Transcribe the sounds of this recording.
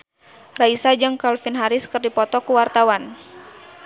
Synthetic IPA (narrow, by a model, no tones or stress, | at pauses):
raisad͡ʒɨŋkalfinɦaɾiskɨrdipɔt̪ɔkuwart̪awan